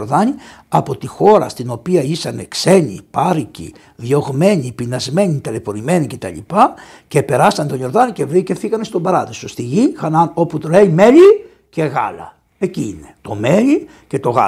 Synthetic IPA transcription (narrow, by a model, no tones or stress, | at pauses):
ɾðɐɲiɐpot̪ixo̞ɾɐ̰st̪ino̞piɐisɐne̞kse̞ɲḭpɐɾicḭ | ðjo̞ɣme̞ɲipinɐzme̞ɲit̪elepo̞ɾime̞ɲice̞t̪ɐ̰ʎḭpɐ | ce̞pe̞ɾɐsɐnt̪o̞jo̞ɾðɐnice̞vɾicefθiɣɐnest̪o̞bɐɾɐðisost̪iʝixɐnɐno̞put̪ole̞ime̞ʎi | ce̞ɣɐ̰lɐ̰ | eciine̞t̪o̞me̞ʎi | ce̞t̪o̞ɣɐ̰